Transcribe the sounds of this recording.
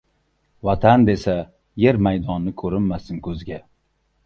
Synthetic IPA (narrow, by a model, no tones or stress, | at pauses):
vat̪ʰand̪e̞sa | je̞ɾmajd̪ɒnːɪkʰɵɾɪmːasɪnkʰɵzɡʲa